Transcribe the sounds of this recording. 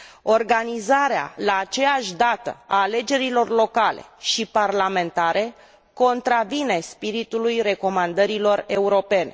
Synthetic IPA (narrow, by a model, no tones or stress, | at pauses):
o̞rɡanizaɾea̰laːt͡ʃe̞jaʃʲd̪at̪ə̰aːle̞d͡ʒe̞ɾilo̞rlo̞kalḛʃiparlame̞nt̪aɾe̞ | ko̞nt̪ɾavine̞spiɾit̪ulujɾe̞ko̞mand̪əɾilo̞re̞uɾo̞pe̞ne̞̰